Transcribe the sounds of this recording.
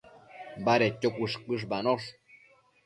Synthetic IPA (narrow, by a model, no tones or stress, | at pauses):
baɾet̪ːokʷuʂkɨʂ̬banoʂ